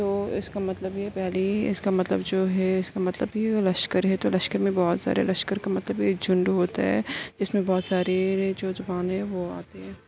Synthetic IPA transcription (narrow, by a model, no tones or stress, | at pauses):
t̪oːɪ̰skamɐt̪ləbiɛpɛɦliɪskamɐt̪lə̰bd͡ʒoːɦɛɪskamɐt̪ləbɦilɐʃkəɾɦɛt̪olɐʃkəɾmẽbɔːt̪sa̰ːɾḛlɐʃkəɾkamɐt̪ləbikd͡ʒʊ̃ɳɖɦoːt̪aɦɛ̰ːd͡ʒɪsmẽbɔːt̪saːɾed͡ʒoːzɐbaːnɦɛʋoa̰ːt̪eɦɛ̃ː